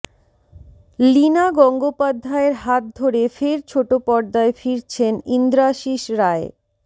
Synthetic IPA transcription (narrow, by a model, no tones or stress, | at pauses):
linaɡɔŋɡopad̪ʱːaeɾɦat̪̚d̪ʱoɾefeɾt͡ɕʰoʈopɔɾd̪aefiɾt͡ɕʰenind̪ɾaʃiʃɾae